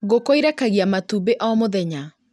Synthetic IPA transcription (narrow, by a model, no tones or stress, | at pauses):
ɣokoiɾɛkaɣiamatubeʔɔmoðɛɲa